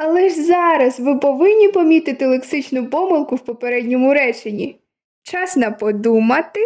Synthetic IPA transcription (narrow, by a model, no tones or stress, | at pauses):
ɐlˠɛʒzɑɾɐzʋɪpɔʋɪnʲːipɔmʲit̪ɪt̪ɪlˠeksɪt͡ʃnʊpɔmɪlˠkʊwpɔpeɾɛdʲnʲɔmʊɾɛt͡ʃenʲḭ | t͡ʃɑsnɐpɔd̪umɐt̪ɪ